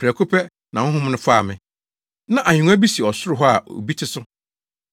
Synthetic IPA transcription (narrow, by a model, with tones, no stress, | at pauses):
pʰɾɛ˨kʰʊ˦pʰɛ˦ | nã˨ʊ̃˦ɦʊ̃˦m˦nʊ̃˦fa˦˨mɪ̃˨ | nã˦ʔa˨ɲᶣũ˨ŋ˦a˦bi˦si˨ɔ˨sʊ˦ɾʊ˦ɦɔ˦a˨o̰˨bi˦tʰɪ˦sʊ˦